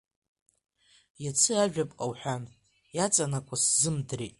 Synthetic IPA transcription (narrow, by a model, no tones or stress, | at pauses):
jat͡sʰɨaʒᶣapʼqʼawħʷᶣa | jat͡sʼanakʷʼaszɨmdretʼ